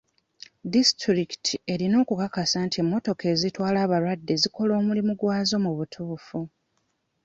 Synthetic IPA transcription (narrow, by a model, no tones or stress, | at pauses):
distɾiki̥tʰie̞ɾino̞ːkukakasaːntie̞mːo̞to̞ke̞ːzitwaːlaːβaɾwadːe̞ziko̞lo̞ːmulimuɡwaːzo̞muβutʰuːfu